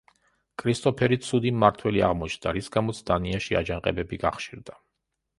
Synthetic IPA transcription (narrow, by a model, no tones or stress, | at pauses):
kʼɾist̪ʼɔpʰɛɾit̪sʰud̪imːaɾt̪ʰwɛlia̰ʁmɔt͡ʃʰnd̪aɾisɡamɔt̪sʰd̪aniaʃia̰d͡ʒaŋqʼɛ̰bɛbiɡaχʃiɾd̪a